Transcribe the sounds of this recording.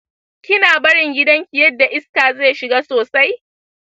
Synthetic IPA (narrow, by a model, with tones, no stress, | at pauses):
kʲɪ˦naː˨bɐ˦ɽɪ˨ŋɡʲɪ˦dɐ˦ŋkʲi˨jɐ˦dːa˨ʔɪ˦skaː˨ze˦˨jʃɪ˨ɡaː˦soː˨sa˦j